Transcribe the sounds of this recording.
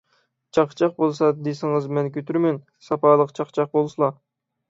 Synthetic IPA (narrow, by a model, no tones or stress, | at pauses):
t͡ʃʰɑqʰt͡ʃʰɑq̚bolˠsɑd̪esɪŋɨzmɛnkʲøt̪ʰyɾmɛn | sɑpʰɑlˠəqt͡ʃʰɑqt͡ʃʰɑq̚bolˠsɨlˠɑ